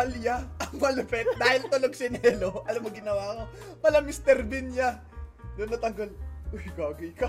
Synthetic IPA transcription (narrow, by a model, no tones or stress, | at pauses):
ɐljaʔɐŋmɐlʊpɛt̪̚d̪aːhɪlt̪ʊloɡ̚sɪnɛloʔɐlɐmːoɡɪnɐwaːko | mɐlɐmɪst̪ɛɾbɪnja | d̪onːɐt̪ɐŋɡolʔojkaɡɪɪka